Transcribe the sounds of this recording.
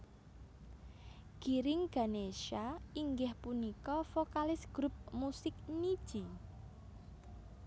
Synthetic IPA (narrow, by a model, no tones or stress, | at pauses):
ɡ̥iɾɪŋɡ̥a̤neʃaiŋɡɪhpunikɔfokalɪsɡ̥ɾup̚musɪk̚nid̥ʒ̥i